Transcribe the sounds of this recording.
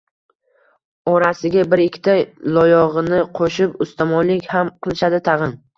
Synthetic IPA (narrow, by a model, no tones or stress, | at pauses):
ɒɾasɪɡʲabɪɾɪkʲʰːɪ̥t̪ʰajlˠɒjɒʁɨnɪqʰoʃɪpʊst̪ʰamɒnlɪkʲhamqʰɨlˠɪʃad̪ɪt̪ʰɑʁɨn